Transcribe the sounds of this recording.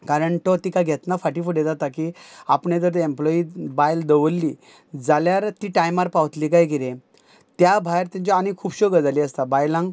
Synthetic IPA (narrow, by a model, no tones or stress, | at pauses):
kaɾəɳʈɔt̪ikaɡʱɛt̪nafaʈifuɽed͡zat̪akiapɳed̪əɾt̪emplɔibajld̪əʋəlːiː | d͡zaljaɾt̪iʈajmaɾpaʋt̪liːkajɡiɾẽ | t̪jabʱajɾt̪ãɲt͡ɕɔañikʰuːbɕɔɡəd͡zaliːəst̪abajlãŋɡ